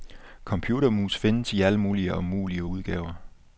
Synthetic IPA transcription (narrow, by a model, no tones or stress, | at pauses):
kʰɒ̽mpʰjuːɾɐmuːsfe̝nəsiæləmuːliəɒ̽muːliəuð̞ˠɡ̥ɛːʊɐ